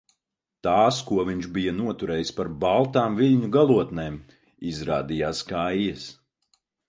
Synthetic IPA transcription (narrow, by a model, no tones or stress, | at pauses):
t̪aːskuɔviɲʒbijanuɔt̪uɾɛːjispaɾbalˠt̪aːmvilʲɲuɡalˠuɔt̪neːm | izɾaːd̪ijaːskajjɛs